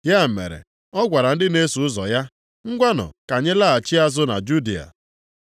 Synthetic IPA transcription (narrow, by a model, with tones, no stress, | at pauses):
ja˦m̩˨mḛ˨ɾḛ˨ | ɔ˦ɡʷa˨ɾa˨n̩˦dɪ˦ne˦su˨ʊ˦zɔ̰˨ja˦ | ŋ̩˦ɡʷa˦nɔ̰˨ka˨ɲe˦la˦˨a˨t͡ʃi˦a˦zʊ˦na̰˨d͡ʒu˦di˨a̰˨